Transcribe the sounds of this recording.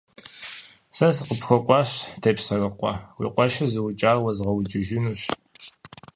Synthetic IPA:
sɐsɨqəpxʷɔqʷʼɑːɕtʰepsɐrɐqʷɑ̰wḭːqʷɔʃɐzɨwʊt͡ʃʼaːrwɐzʁɐwt͡ʃʼɪʒɪnuːɕ

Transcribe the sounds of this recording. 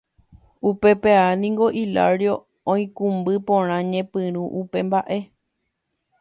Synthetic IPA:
upe̞peanĩŋɡo̞ʔila̰ɾjo̞ | õĩkũmbɨpõɾ̃ãɲẽpɨ̃ɾ̃ũʔupe̞mbaʔe̞

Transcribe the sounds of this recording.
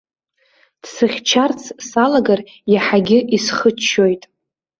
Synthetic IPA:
d̥sɨχʲt͡ʃʰart͡sʰsalaɡar | jaħaɡʲɪʔisχət͡ʃʰːojtʼ

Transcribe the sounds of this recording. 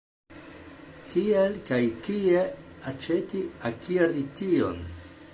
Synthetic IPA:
kʰielkajkie̞at͡ʃe̞tiakʰiaɾditio̞̰n

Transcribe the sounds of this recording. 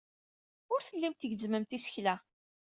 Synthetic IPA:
ʊɾθəlːimt̪əʝzməmt̪isə̥çlæ

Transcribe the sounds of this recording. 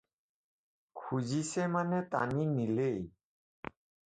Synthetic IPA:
kʰud͡ʑisemanet̪a̰ninilej

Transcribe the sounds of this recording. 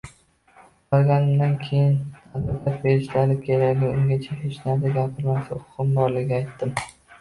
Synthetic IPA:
bɒɾˠɡʲanɪmd̪ankʲʰe̞jɪnad̪at̪apbeɾɪʃlaɾɪkʲʰeɾaɡʲlɪʊŋɡʲat͡ʃʰaheʃnaɾd̪ɪɡʲapʰɪɾmasɪqʊ̥qɨmbɒɾlɪɡʲaːjt̪ːɪm

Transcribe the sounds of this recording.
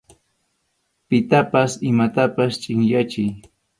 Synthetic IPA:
pɪt̪apasɪmat̪apast͡ʃʼɪŋjat͡ʃɪj

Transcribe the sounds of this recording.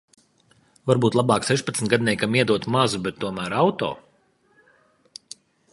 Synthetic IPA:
vaɾbuːt̪lˠɑbɑːksɛʃpɐt̪snt̪ɡad̪̚nʲɛjkamiɛd̪uɔt̪mazubɛt̪ːuɔmæːɾawt̪ɔ̰ː

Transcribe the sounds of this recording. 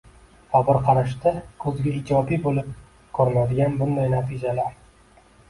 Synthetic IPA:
fɒbɨɾqʰɑɾaʃt̪akʰɵzɡʲaɪd͡ʒɒbibolɪp̚ | kʰɵɾɪnad̪ɪɡʲanbʊnd̪ajnat̪ʰid͡ʒalaɾ

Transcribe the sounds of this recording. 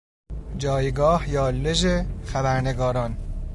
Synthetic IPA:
d͡ʒɒːjɡɒːhjɒːlːeʒexæbæɾneɡɒːɾɒːn

